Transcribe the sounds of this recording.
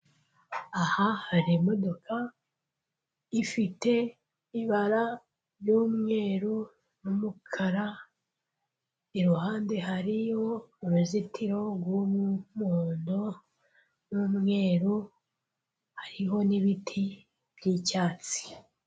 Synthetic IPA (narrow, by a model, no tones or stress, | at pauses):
ahahaɾimo̞do̞kʰa | ifite̞ | iβaɾa | ɾjuːmŋe̞ːɾu | numukʰaɾa | iɾuɦaːnde̞ɦaɾijo̞uɾuzitʰiɾo̞ɡwumumuːndo̞ | nuːmŋe̞ːɾu | haɾiɦo̞niβitʰi | bjicaːt͡si̥